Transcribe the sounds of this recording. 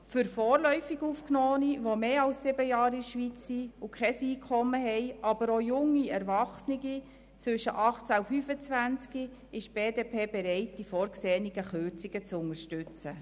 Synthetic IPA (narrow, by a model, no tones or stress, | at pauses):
fʏɾfɔːrlœʏfiɡuːfknoːniʋomeːɑlsːɪbəjɑːɾiʃʋit͡sːiʊkʰχɛsiːkʰχɔmːəɦɛɪɑb̥əɾojʊŋːiɛɾvɑχsniɡi | t͡sʋʏʃəʔɑχt͡sæʊfyːfət͡sʋænt͡ski | ɪʃb̥eːdeːpʰeːbɛɾɛɪt̚d̥ifoːɾkseːniɡ̥əχøɾt͡siɡ̥ət͡sʊŋəɾʃtʉt͡sə